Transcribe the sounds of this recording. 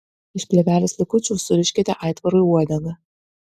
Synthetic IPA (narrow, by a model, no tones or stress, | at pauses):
ɪʃpʲlʲɛvʲæːlʲɪslʲɪkʊt͡ʃʲusʊɾʲɪʃʲkʲɛt̪ʲɛʔajt̪vɐɾojuɔd̪ʲɐnɐ